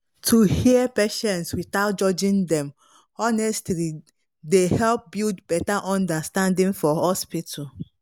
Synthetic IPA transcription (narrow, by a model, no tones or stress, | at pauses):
tʰuhiəpeʃɛ̃nswiθaʊt̚d͡ʒɔd͡ʒĩndɛ̃m | ɔnɛstli | dehɛlp̚bildbɛtaʔɔ̃ndastãndĩŋfɔhɔspitʰə